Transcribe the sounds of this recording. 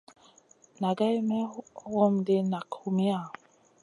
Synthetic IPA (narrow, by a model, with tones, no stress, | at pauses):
na˨ɡa˦i˦mɛ˦ɣɔ˦mde˦na˨kʰu˨me˦a˦˨